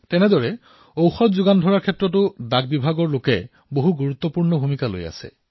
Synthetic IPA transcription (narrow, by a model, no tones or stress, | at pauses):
tɛnɛdɔɹɛ | owxɔtzuɡandʱɔɹaɹkʰɛtɹɔt̬ʊdaɡ̚bibʱaɡɔɹlokɛ | boɦuɡuɹut̪ːɔpuɹnɔbʱumikalo̰ja̰sɛ̰